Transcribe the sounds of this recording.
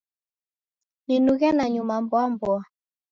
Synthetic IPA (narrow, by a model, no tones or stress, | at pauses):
ninuɣɛnaɲumambwambɔa